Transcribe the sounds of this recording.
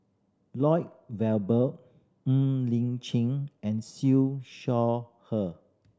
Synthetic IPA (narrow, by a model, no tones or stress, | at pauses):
lɔɪt̚wɛlbə | lĩŋt͡ʃĩŋɛ̃nsiʃɔ | hə